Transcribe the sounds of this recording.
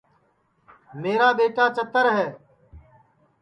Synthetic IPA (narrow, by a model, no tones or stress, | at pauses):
meːɾaːɓeːʈaːt͡ʃət̪əɾɦɛː